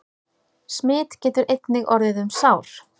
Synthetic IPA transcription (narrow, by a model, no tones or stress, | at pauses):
smɪːt̪cɛːt̪ʏɾejt̪nɪɣɔɾðɪðʏmsaːwɾ̥